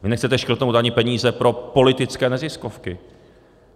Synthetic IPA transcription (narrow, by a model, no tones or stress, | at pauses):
vɪnɛxt͡sɛt̪ɛʃkr̩t̪nowt̪aɲɪpɛɲiːzɛpɾo̞po̞lɪt̪ɪt͡skɛːnɛzɪskofkɪ